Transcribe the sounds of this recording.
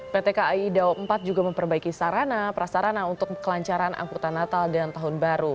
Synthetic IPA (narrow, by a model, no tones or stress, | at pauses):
pet̪ekaidawəmpat̪̚d͡ʒuɡaməmpərbaikisaɾanapɾasaɾanaunt̪ʊk̚kəlaɲt͡ʃaɾanʔa̰ŋkut̪anat̪aldant̪aɦʊnbaɾu